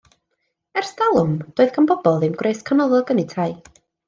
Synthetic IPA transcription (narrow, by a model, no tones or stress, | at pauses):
ɛrsdalˠʊmd̥oːðkʰambɔbɔlˠɪmɡreɨskʰanɔlˠɔɡənitʰaɨ